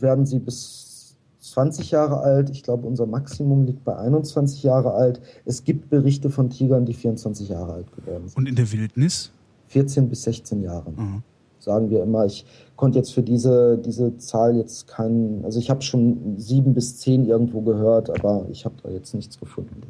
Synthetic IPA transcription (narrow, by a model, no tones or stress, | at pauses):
veːɐdn̩ziːbɪs | t͡sv̥ant͡sɪçjaːʁəʔaltɪçɡ̥laʊbəʔʊnzɐmaksimʊmliːk̚t̚b̥aɪʔaɪnʊnt͡sv̥ant͡sɪçjaːʁəʔaltʔɛsɡ̥iːp̚t̚b̥əʁɪçtəfɔntʰiːɡɐndiːfiːɐʊnt͡sv̥ant͡sɪçjaːʁəaltɡ̥əvɔ̰ɐdn̩zʊntɪndeːɐvɪltnɪs | fɪɐt͡seːnbɪsz̥ɛçt͡seːnjaːʁən | z̥aːɡŋ̩viːɐɪmɐɪç | kʰɔntəjɛt͡stfyːɐdiːzədiːzət͡saːljɛt͡stkʰaɪnʔalzoɪçhaːbəʃoːnziːbm̩bɪst͡seːnʔɪɐɡŋ̩tv̥oːɡəhøːɐtʔa̰ːbɐɪ̰çhaːbəd̥a̰ːjɛt͡stnɪçt͡sɡ̥əfʊndn̩da